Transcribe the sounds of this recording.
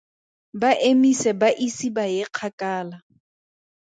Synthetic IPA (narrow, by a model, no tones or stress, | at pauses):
baʔemisɛbaʔisibajɪq͡χʰakʼaːla